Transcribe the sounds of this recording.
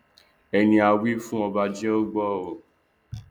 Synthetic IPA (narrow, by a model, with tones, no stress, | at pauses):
ɛ˧nĩ˧a˧wi˦fũ˦ɔ˧ba˧d͡ʒi˦ɔ˦ɡ͡bɔ˦˨o˨